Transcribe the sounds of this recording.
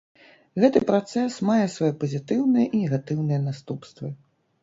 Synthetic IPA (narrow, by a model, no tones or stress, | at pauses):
ɣɛt̪ɨpɾat̪sɛsmajɛsvajɛpɐzʲit̪ɨwnɨjɛʔinʲɛɣat̪ɨwnɨjɛnast̪upst̪vɨ